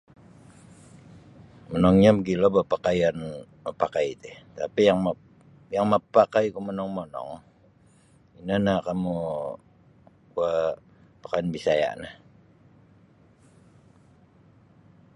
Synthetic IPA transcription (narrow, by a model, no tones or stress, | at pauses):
mənɔŋɲabəɡilobapakajanməpakajt̪eht̪apijaŋm | jaŋməpakajkumənɔŋmɔnɔ̰ŋ | inanakamu | ua | pḁkajanbisaja̰ʔnah